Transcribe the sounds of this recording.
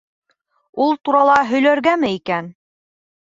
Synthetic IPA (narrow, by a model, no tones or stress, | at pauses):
ulˠt̪uɾɑlˠɑɦɵ̆jlæɾɡæmɘikæn